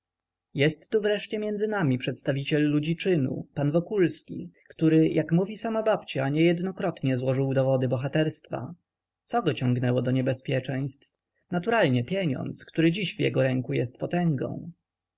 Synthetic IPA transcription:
jɛst̪ːuvɾɛʂt͡ɕɛmʲjɛndzɘnamʲipʂɛt̪st̪avʲit͡ɕɛlːud͡ʑit͡ʂɘnṵpanvɔkulskʲḭkt̪uɾɘjʔakmuvʲisamabapt͡ɕaɲɛjɛd̪nɔkɾɔt̪ɲɛzwɔʐɘwd̪ɔvɔd̪ɘbɔxat̪ɛɾst̪fa̰ | t̪sɔɡɔt͡ɕɔŋɡnɛwɔd̪ɔɲɛbɛspʲjɛt͡ʂɛj̃st̪f | nat̪uɾalɲɛpʲjɛɲɔ̰nt̪skt̪uɾɘd͡ʑiɕvjɛ̰ɡɔɾɛŋkujɛst̪pɔt̪ɛŋɡɔ̰̃w̃

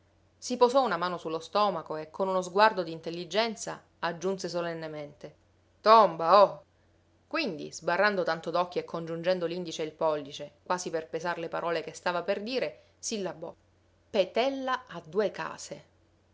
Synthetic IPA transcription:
sipozɔunamaːnosulːost̪ɔːmakoekʰːonunozɡward̪od̪int̪elːid͡ʒɛnt̪sa | ad͡ʒːunsesolenːement̪e | t̪ombaɔ | kwind̪ḭzbarːand̪ot̪ant̪od̪ɔkːoekʰːond͡ʒund͡ʒɛnd̪olind̪it͡ʃeilpɔlːit͡ʃekwaːziperpezarlepa̰ɾʔɔːlekest̪aːvaperd̪iːɾe | silːabɔ̰ | pet̪ɛlːaːd̪ːuːeka̰ːse

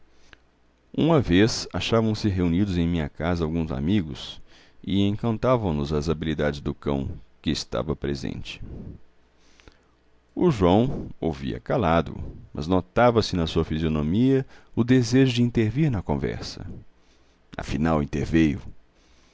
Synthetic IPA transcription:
ṵ̃mɐvesaʃavɐ̃w̃sɪɦeunid̪ʊzẽj̃mĩɲɐkazɐawɡũza̰miɡʊs | ɪẽkɐ̃nt̪avɐ̃w̃nʊzɐzabilid̪ad͡ʒɪzd̪ʊkɐ̰̃w̃kɪːst̪a̰vɐpɾezḛ̃nt͡ʃɪ̥ | ʊʒuɐ̃w̃owvḭɐ̰kalad̪ʊ̰mʔɐ̰znot̪avɐsɪnɐsuɐfizionomiɐʊd̪ezeʒʊd͡ʒɪĩnt̪eɾviɾnɐkõvɛ̰ɾsɐ̰ | ɐ̰finawĩnt̪eɾvejʊ̰

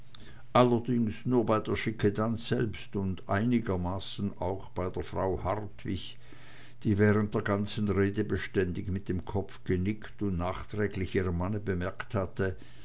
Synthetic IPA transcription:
ʔalɐdɪŋsnuːɐbaɪdeːɐʃɪkʰədansz̥ɛlpstʊndʔa̰ɪnɪɡɐmaːsn̩a̰ʊxb̥aɪdeːɐfʁ̥a̰ʊhaʁtvɪç | d̥iːvɛːʁənt̚d̥eːɐɡant͡sn̩ʁeːdəbəʃtɛndɪçmɪt̚d̥eːmkʰɔpp͡fɡ̥ənɪktʊntnaːxtʁ̥ɛːɡlɪçiːʁəmanəbəmɛɐkthatə

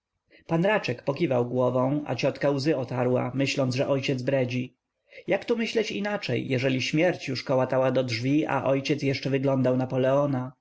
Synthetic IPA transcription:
panɾat͡ʂɛkpɔkʲivawɡwɔvɔ̃w̃a̰t͡ɕɔt̪kawzɘɔt̪aɾwa̰mɘɕlɔnd̪ʐɛʔɔjt͡ɕɛd̪zbɾɛd͡ʑi | jakt̪umɘɕlɛt͡ɕḭnat͡ʂɛjːɛʐɛlʲiɕmʲjɛɾt͡ɕjuʂkɔwat̪awad̪ɔdʐvʲia̰ʔɔjt͡ɕɛt̪sjɛʂt͡ʂɛvɘɡlɔnd̪awnapɔlɛɔna

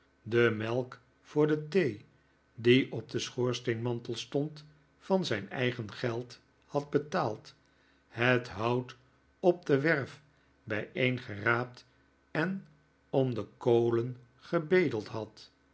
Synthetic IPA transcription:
dəmɛlˠk | fʊːɹdətej | diʔɔp̚dəsχoːɹstenmɑntəlˠstɔnt | fɑnzɛjnɛ̰jχənχɛlˠt | hɑd̚bətaːlˠt | hətɦɑwt | ɔb̚dəʋɛɹf | bɛjejnχəraːp̚t | ɛn | ɔmdəkowlən | χəbejdəlˠtɦɑt

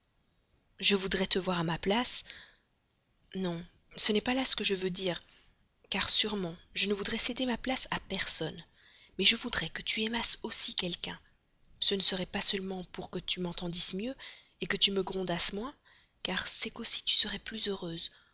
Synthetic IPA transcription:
ʒəvud̪ʁɛt̪əvwaʁamaplas | nɔ̃ | sənɛpalasə̥kəʒəvød̪iːʁ | kaʁsyʁmɑ̃ʒənəvud̪ʁɛsed̪emaplasapɛʁsɔn | mɛʒəvud̪ʁɛkət̪ʰyɛmasosikʲɛlkʲɛ̃ | sənəsəʁɛpasœlmɑ̃puʁkət̪ymɑ̃t̪ɑ̃d̪ismjø | ekət̪yməɡʁɔ̃d̪asmwɛ̃ | kaʁsɛkosi̥t̪y̥səʁɛplyzøʁøːz

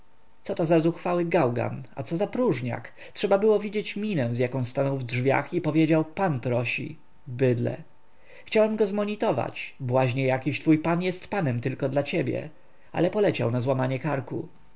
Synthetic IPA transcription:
t̪sɔt̪ɔzazuxfawɘɡawɡa̰na̰t̪sɔzapɾuʐɲa̰k | tʂɛbabɘwɔvʲid͡ʑet͡ɕmʲinɛw̃zʲjakɔ̃w̃st̪anɔwvdʐvʲja̰xipɔvʲjed͡ʑawpanpɾɔɕḭ | bɘd̪lɛ̰ | xt͡ɕawɛmɡɔzmɔɲit̪ɔva̰t͡ɕbwaʑɲɛjakʲiɕt̪fujpanjɛst̪panɛmt̪ɘlkɔd̪lat͡ɕebʲjɛ̰ | a̰lɛpɔlɛt͡ɕa̰wnazwamaɲɛkaɾku

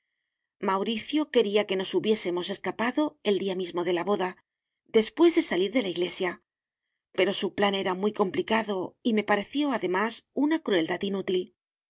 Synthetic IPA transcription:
mawɾiθjo̞ke̞ɾiake̞no̞suβje̞se̞mo̞se̞skapaðo̞e̞ld̪iamizmo̞ðe̞laβo̞ða | d̪e̞spwe̞zðe̞saliɾðe̞laiɣle̞sja | pe̞ɾo̞suplane̞ɾamujko̞mplikaðo̞ime̞paɾe̞θjo̞aðe̞masunakɾue̞ld̪at̪inut̪il

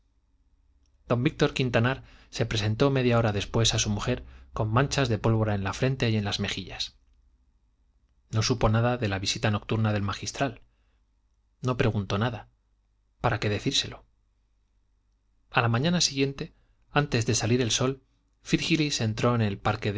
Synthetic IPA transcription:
d̪̥o̞mbik̚t̪o̞ɾkint̪anaɾse̞pɾe̞s̬e̞nt̪o̞me̞ðjao̞ɾaðe̞spwe̞sasumuxe̞ɾko̞mːãnt͡ʃazðe̞po̞lβo̞ɾae̞nlafɾe̞nt̪e̞je̞nlazme̞xiʎas | no̞supo̞naðaðe̞laβisit̪ano̞k̚t̪uɾnaðe̞lmaxist̪ɾal | no̞pɾe̞ɣunt̪o̞naða | paɾake̞ðe̞θiɾse̞lo̞ | alamãɲanasiɣje̞nt̪e̞ | ant̪e̞zðe̞saliɾe̞lso̞l | fiɾxilise̞nt̪ɾo̞ene̞lpaɾke̞ð

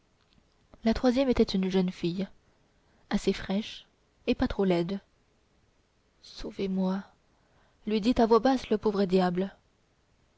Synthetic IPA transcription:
lat̪χwazjɛmet̪ɛt̪ynʒənfij | asefχɛʃ | epat̪χolɛd̪ | sovemwa | lɥid̪it̪avwabasləpovʁəd̪jabl

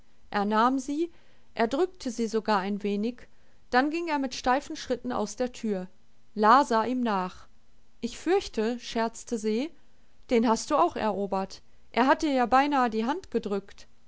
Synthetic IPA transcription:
ʔeːɐnaːmziː | ʔeːɐdʁʏk̚tʰəziːzoɡaːɐaɪnveːnɪç | d̥anɡɪŋeːɐmɪtʃtaɪfn̩ʃʁ̥ɪtn̩a̰ʊsd̥eːɐtʰyːɐ | laːzaːʔiːmnaːχ | ʔɪçfʏɐçtʰəʃɛɐt͡stəziː | d̥eːnɦast̚d̥uːaʊxɛ̰ɐʔoːbɐt | ʔḛːɐɦatəjaːbaɪnaːədiːɦantɡ̥ədʁʏkt

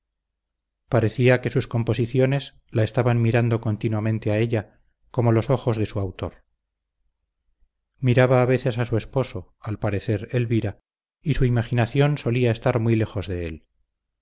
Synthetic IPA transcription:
paɾe̞θiake̞susko̞mpo̞siθjo̞ne̞s | lae̞st̪aβanmiɾand̪o̞ko̞nt̪inwamẽ̞nt̪eaeʎa | ko̞mo̞lo̞so̞xo̞zðesuawt̪o̞̰ɾ | miɾaβaːβe̞θe̞sasue̞spo̞so̞ | alpaɾe̞θe̞ɾelβiɾa | isuimaχinaθjo̞nso̞liae̞st̪aɾmwijle̞xo̞zðe̞el

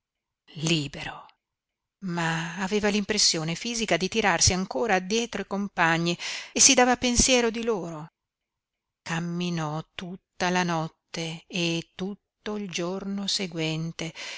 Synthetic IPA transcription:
liːbeɾo | maːveːvalimpɾesːjoːnefiːzikad̪it̪iɾarsiaŋkoːɾaːd̪ːjɛːt̪ɾoikompaɲːiesːid̪aːvapensjɛːɾod̪iloːɾo | kamːinɔt̪ut̪ːalanɔt̪ːeːt̪ːut̪ːoild͡ʒornoseɡwɛnt̪e

